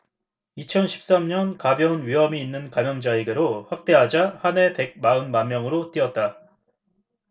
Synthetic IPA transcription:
it͡ɕʰʌnɕʰi̥p̚s͈amɲʌnkabjʌnɥiɦʌmiːnːɯnkamjʌŋd͡ʑaeɡeɾoɸwak̚t͈e̞ɦad͡ʑahane̞pe̞ɡ̚maɯnmanmːjʌŋɯɾot͈iʌt̚t͈a

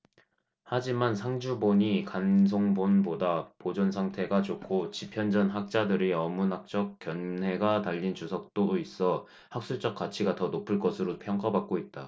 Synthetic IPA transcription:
had͡ʑimansʰaŋd͡ʑuboɲikans̬ʰoŋbonbodapod͡ʑʌnsʰaŋtʰe̞ɡat͡ɕokʰot͡ɕipʰjʌnd͡ʑʌnɦak̚t͡ɕ͈adɯɾiʌmunak̚t͡ɕ͈ʌk̚k͈jʌnɦe̞ɡataʎːint͡ɕusʰʌk̚t͈ois͈ʌ | hak̚s͈ut͡ɕ͈ʌk͈̚at͡ɕʰiɡatʌnopʰɯɭk͈ʌsʰɯɾopʰjʌŋk͈abak̚k͈oit̚t͈a

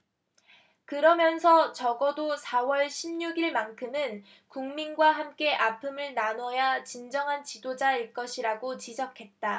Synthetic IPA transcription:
kɯɾʌmjʌnsʰʌt͡ɕʌɡʌdosʰawʌɭɕʰimɲuɡiɭmankʰɯmɯn | kuŋminɡwaɦamk͈e̞ʔapʰɯmɯɭnanʌjat͡ɕind͡ʑʌŋɦant͡ɕidod͡ʑaiɭk͈ʌɕʰiɾaɡot͡ɕid͡ʑʌkʰe̞t̚t͈a

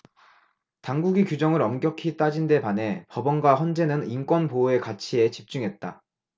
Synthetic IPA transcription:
taŋɡuɡikjud͡ʑʌŋɯɾʌmɡjʌkʰit͈ad͡ʑinde̞pane̞pʌbʌnɡwaɸʌnd͡ʑe̞nɯnink͈wʌnpoe̞kat͡ɕʰie̞t͡ɕip̚t͡ɕ͈uŋɦe̞t̚t͈a

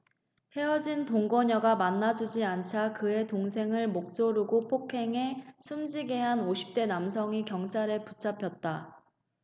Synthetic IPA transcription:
he̞ʌd͡ʑintoŋɡʌɲʌɡamanːad͡ʑud͡ʑiant͡ɕʰakɯe̞toŋsʰe̞ŋɯɭmok̚t͡ɕ͈oɾuɡopʰokʰe̞ŋe̞sʰumd͡ʑiɡe̞ɦanoɕʰi̥p̚t͈e̞namsʰʌŋikjʌŋt͡ɕʰaɾɯput͡ɕʰapʰjʌt̚t͈a

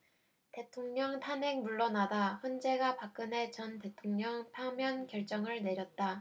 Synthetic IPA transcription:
te̞tʰoŋɲʌŋtʰanɦe̞ŋmuɭːʌnadaçjʌnd͡ʑe̞ɡapak͈̚ɯne̞t͡ɕʌnte̞tʰoŋɲʌŋpʰamjʌnkjʌɭt͡ɕ͈ʌŋɯɭne̞ɾjʌt̚t͈a

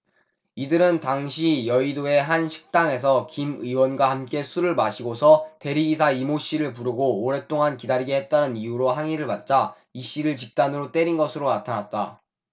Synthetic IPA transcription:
idɯɾɯntaŋɕʰijʌidoe̞ɦanɕʰi̥k̚t͈aŋe̞s̬ʰʌkimɯiwʌnɡwahamk͈e̞sʰuɾɯɭmaɕʰiɡosʰʌte̞ɾiɡis̬ʰaimoɕ͈iɾɯɭp̬uɾɯɡoːɾe̞t͈oŋankidaɾiɡeɦe̞t̚t͈anɯnijuɾoɦaŋiɾɯɭpat̚t͡ɕ͈a | iɕ͈iɾɯɭt͡ɕip̚t͈anɯɾot͈e̞ɾinɡʌsʰɯɾonatʰanat̚t͈a̰

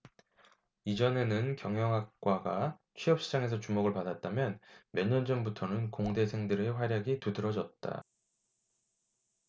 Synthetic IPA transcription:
id͡ʑʌne̞nɯnkjʌŋjʌŋɦak̚k͈waɡat͡ɕʰɥiʌp̚ɕ͈id͡ʑaŋe̞s̬ʰʌt͡ɕumoɡɯɭpadat̚t͈amjʌnmjʌɲʌnd͡ʑʌmbutʰʌnɯnkoŋde̞sʰe̞ŋdɯɾeɸwaɾjʌɡitɯdɯɾʌd͡ʑʌt̚t͈a̰

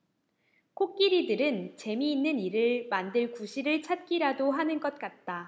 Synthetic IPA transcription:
kʰok̚k͈iɾidɯɾɯnt͡ɕe̞miːnːɯniɾɯɭmandɯɭkuɕʰiɾɯɭt͡ɕʰat̚k͈iɾadoɦanɯnɡʌt̚k͈at̚t͈a

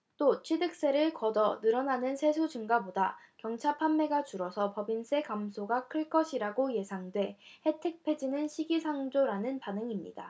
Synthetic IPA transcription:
t͈ot͡ɕʰwidɯk̚s͈e̞ɾɯɭkʌdʌnɯɾʌnanɯnsʰe̞sʰod͡ʑɯŋɡabodakjʌŋt͡ɕʰaɭpʰanːe̞ɡat͡ɕuɾʌsʰʌpʌbinsʰe̞kamsʰoɡakʰɯɭk͈ʌɕʰiɾaɡoje̞sʰaŋdwe̞he̞tʰɯk̚pʰe̞d͡ʑinɯnɕʰiɡisʰaŋd͡ʑoɾanɯnpanɯŋimɲḭda̰

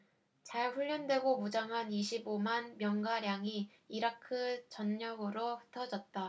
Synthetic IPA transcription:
t͡ɕaɭɸuʎːʌndwe̞ɡomud͡ʑaŋɦaniɕʰibomanmjʌŋɡaɾjaŋi | iɾakʰɯt͡ɕʌnːʌɡɯɾoɸɯ̥tʰʌd͡ʑʌt̚t͈a

